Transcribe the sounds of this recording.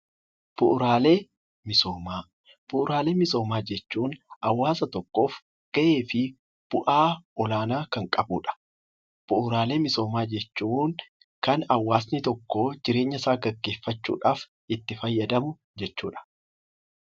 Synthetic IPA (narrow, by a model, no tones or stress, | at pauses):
b̥ʊʔʊɾaːleː | mɪsoːmaː | b̥ʊʔʊɾaːle̞ːmɪso̞ːmaːd͡ʒɛt͡ʃːuːnʔɐwːaːsɐt̪ɔkːo̞ːf | ɡ̥ɐʔe̞ːfɪ | b̥ʊʔaːɔlaːnaːkɐŋkʼɐbṵːᶑɐ̥ | b̥ʊʔʊɾaːle̞ːmɪso̞ːmaːd͡ʒɛt͡ʃːuːŋ | kɐnɐwːaːsnɪt̪ɔkːoːd͡ʒɪɾe̞ːɲːɐsaːɡɐɡːe̞ːfːɐt͡ʃːṵːᶑaːf | ɪt̪ːɪfɐjːɐd̪ɐmʊ | d͡ʒɛt͡ʃːuːᶑɐ̥